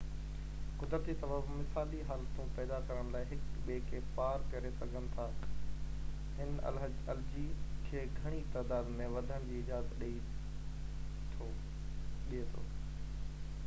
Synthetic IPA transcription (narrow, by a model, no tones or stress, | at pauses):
kʊd̪ɾət̪isɐbəbmɪsaːliɦaːlt̪ũpɛːd̪akɐɾəɽ̃̆laːɪɦɪkɓeːkʰeːpaːɾkɐɾesɐɡʱənɪ̆t̪ʰaː | ɦɪn | ɐld͡ʑikʰeːɡʱɐɽ̃it̪aːd̪aːd̪mẽʋɐd̪ʱəɽ̃d͡ʑiːɪd͡ʑaːzət̪ɗii | t̪ʰo | ɗiet̪ʰo̰ː